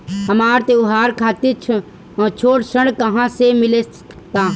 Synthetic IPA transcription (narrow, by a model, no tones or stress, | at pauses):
həmaːɾt̪eʊɦaːɾkʰaːt̪it͡ʃʰ | t͡ʃʰoːʈsəɳkəɦãsemɪle | t̪aː